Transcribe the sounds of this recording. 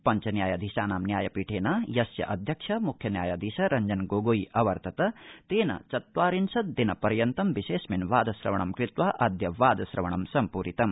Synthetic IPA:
pɐnt͡ʃɐnjaːjɐd̪ʱisaːnaːmnjaːjɐpiːʈʰeːnajɐsjɐ̰ʔɐd̪ʱjɐkʂʰɐmukʰjɐnja̰ːjad̪ʱisɐɾɐɲd͡ʒɐnɡoːɡoːiʔɐʋɐɾt̪ʰɐt̪ɐt̪eːnɐ̰t͡ʃɐt̪waːɾinsɐt̪̚d̪inɐpɐɾjɐnt̪ɐmbiseːsminʋaːd̪ɐsɾɐ̰ʋɐɳ̃ɐmkɾit̪waʔɐd̪ʱjɐʋaːd̪ɐsɾɐʋɐɳ̃ɐmsɐmpuːɾit̪ɐm

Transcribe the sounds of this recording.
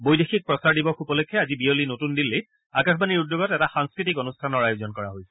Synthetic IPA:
bojdexik̚pɹɔsaɹdibɔxupɔlokʰːɛazibiolinotundilːe | akaxbaniɹudːjoɡɔtɛtaxaŋskɹitikonustʰanɔɹajuzɔnkɔɹaɦojsɛ̥

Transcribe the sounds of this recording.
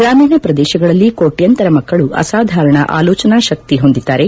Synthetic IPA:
ɡɾaːmiːɳɐpɾɐd̪ɛːʃɐɡɐɭɐlːikoːʈjɐnt̪ɐɾɐmɐkːɐɭuʔɐ̰saːd̪ʱaːɾɐɳɐʔa̰ːloːt͡ʃɐnaːʃɐk̚t̪iɦo̞nd̪id̪ːaːɾe̞

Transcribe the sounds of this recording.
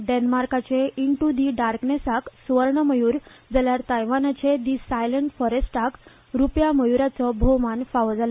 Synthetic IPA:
ɖenmaɾkat͡seiɳʈud̪iɖaɾknesaksʋəɾɳəməjuːɾd͡zaljaɾt̪ajʋanat͡sed̪isajləɳʈfɔɾesʈak | ɾupjaməjuɾat͡səbʱɔmanfaʋəd͡zalə

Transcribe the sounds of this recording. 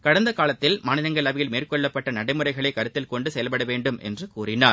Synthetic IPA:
kɐɽɐnd̪ɐkaːlɐt̪ːɪlmaːnɪðɐŋɡɐɭɐʋɪjɪlmeːrkɔɭːɐpːɐʈːɐnɐɽɐɪmɯrɐɪɣɐɭɐɪkːɐɾɯt̪ːɪlkɔɳɖɯsɛjɐlpɐɽɐʋeːɳɖɯmɛ̰ndrɯkuːrɪnaː

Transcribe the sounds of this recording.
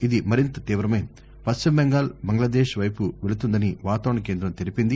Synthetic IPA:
id̪imɐɾint̪ɐt̪iːʋɾɐmɐjm | pɐst͡ʃimbeŋɡaːlbɐŋɡlaːd̪eːʃʋɐjpuʋe̞ɭut̪und̪ɐniʋaːt̪aːʋɐɳɐke̞ːnd̪ɾɐmt̪eɾipind̪i

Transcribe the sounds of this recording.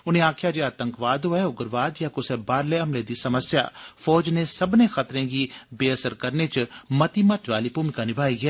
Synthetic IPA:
ʊnẽaːkʰjad͡ʒeaːt̪ə̃ŋkʋaːd̪oɦɛʊɡəɾʋaːd̪jakʊsɛbaːɾleɐmled̪isɐməsja̰ːfɔːd͡ʒnesɐbnexɐt̪ɾẽɡibeːəsəɾkɐɾnet͡ʃmɐt̪imɐt̪ʋaːlipumikanɪbʱaːiɦɛː

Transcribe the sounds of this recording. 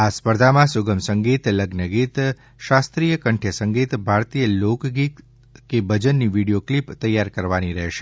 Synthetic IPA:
aspəɾd̪ʱamãsuɡəmsəŋɡit̪ləɡnəɡit̪ | ʃast̪ɾijəkəɳʈʰjəsəŋɡit̪bʱaɾt̪ijəlokɡit | kebʱəd͡ʒənːiʋiɽijoklipt̪əjːaɾkəɾʋaniɾəɦʃe

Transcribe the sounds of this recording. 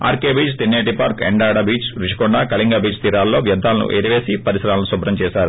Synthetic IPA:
a̰ːɾkeːbiːt͡ʃt̪inːeːʈipaːɾkḛɳɖaːɽɐbiːt͡ʃɾiʂi̥kɔɳɖaːkɐliŋɡaːbiːt͡ʃt̪iːɾaːlːo̞ːʋjɐd̪ʱːaːlɐnṵʔeːɾiʋe̞ːsipɐɾisɐɾaːlɐnusubɾɐmt͡ʃɛːʃaːɾu

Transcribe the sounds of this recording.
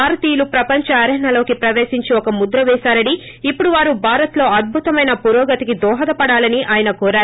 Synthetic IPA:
paːɾt̪iːjlupɾɐpɐɲt͡ʃɐɐɾɐɦɐnɐlo̞ːkipɾɐʋeːsiɲt͡ʃiɔkɐmud̪ɾɐʋɛːʃaːɾɐɽiː | pːuɽuʋaːɾubʱaːɾɐt̪lo̞ːɐd̪̚bʱut̪ɐmɐjnɐpuɾɔːɡɐt̪ikid̪ɔːɦɐd̪ɐpɐɽaːlɐniʔaːjɐnɐkɔːɾaːɾu

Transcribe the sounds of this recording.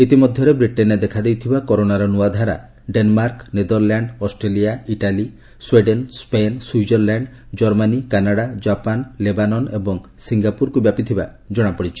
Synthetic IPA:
it̪imɔd̪ʱjɔɾebɾiʈened̪ekʰad̪ejt̪ʰibakɔɾoɽaɾɔnuad̪ʱaɾa̰ | ɖenmaɾkned̪ɔɾlaɳɖɔsʈɾeliaiʈali | sweɖenspenswud͡ʒɔɾlaɳɖ | d͡ʒɔɾmanikanaɽad͡ʒapanlebanɔnebɔŋsiŋɡapuɾkubjapit̪ʰiba | d͡ʒɔɽ̃apɔɽit͡ʃʰi̥

